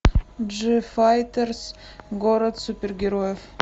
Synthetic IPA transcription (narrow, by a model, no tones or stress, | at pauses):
d͡ʒɨfajt̪ers | ɡoɾad̪supʲerɡʲeɾojef